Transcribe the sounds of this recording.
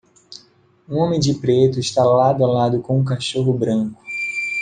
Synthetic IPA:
ũõmẽd͡ʒɪpɾet̪ʊɪʃt̪alad̪alad̪ʊkõũk̬aʃoɦʊbɾɐ̃kʊ̥

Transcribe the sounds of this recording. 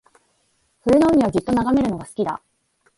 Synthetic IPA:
ɸɯ̟ɯno̞ɯ̟mʲiβad͡ʑɨt̪ːo̞naɡame̞ɾɯ̟no̞ɡasɨ̥kʲid̪a̰

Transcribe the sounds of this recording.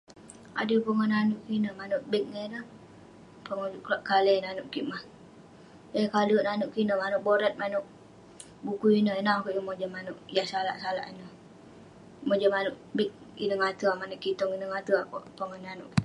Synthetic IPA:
a̰dəpəŋɔnanʊʔkinəmanʊʔbik̚ŋənə | pəŋud͡ʒuʔklaʔkalɛnanʊʔkiʔmah | jakalunanʊʔkinəmanʊʔboɾat̪̚manʊʔ | bukuinəinakoʔjamod͡ʒəmanʊʔjaʔsala̰ʔsala̰ʔinə | mod͡ʒəmanʊʔbik̚ | ḭnəŋat̪əamanʊʔkit̪ɔŋinəŋat̪əaʔpəŋɔnanʊʔ

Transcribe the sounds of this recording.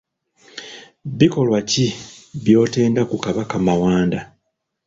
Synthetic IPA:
βiko̞lwaciβjo̞ːte̞ːndakukaβakamawaːnda

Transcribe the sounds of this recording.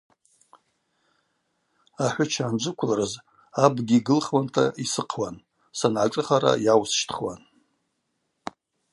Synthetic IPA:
aħʷʊt͡ʃʰaːnd͡ʒʷɨkʷʰlarɨz | abɡʲiɡɨlχwantʰaisɨqʰwan | sanʕaʈ͡ʂʼɨχaɾa̰jawsʃtʰχwan

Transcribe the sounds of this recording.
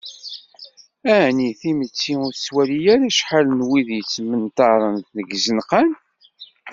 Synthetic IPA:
æniθimət͡sːiʊɾswælijæɾæʃħalnwiðjət͡sːmənt̪ɑɾˤənθnəɡzənqan

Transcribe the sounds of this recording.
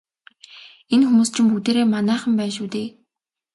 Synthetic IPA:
enxumuːst͡ɕʰɪ̆mput̪eːɾeːmanæːχə̆mpæːnʃuːt̪eː

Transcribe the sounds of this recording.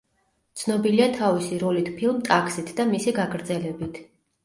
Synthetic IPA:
t̪sʰnɔbiliat̪ʰavisiɾɔlit̪ʰpʰilˠmt̪ʼakʰsit̪ʰd̪amisiɡaɡʰɾd̪zɛlɛbit̪ʰ

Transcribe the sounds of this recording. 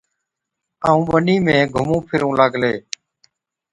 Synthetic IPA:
aːũːʋəniːmẽːɡʱʊmũːpʰɪɾũːlaːɡʱleː

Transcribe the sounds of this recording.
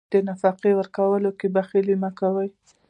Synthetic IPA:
d̪̥ənafɑqiwəɾkawəlokebaxelimakawəj

